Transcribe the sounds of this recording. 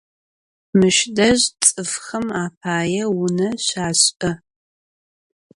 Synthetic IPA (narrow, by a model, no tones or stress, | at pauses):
mɨʃdɐʑt͡sʼɨfχɐmaːpʰaːjɛwʊnɐɕaːɕʼɐ